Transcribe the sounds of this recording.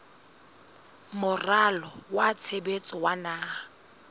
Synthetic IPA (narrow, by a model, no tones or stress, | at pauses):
mʊralɔwat͡sʰebet͡sʼɔwanaː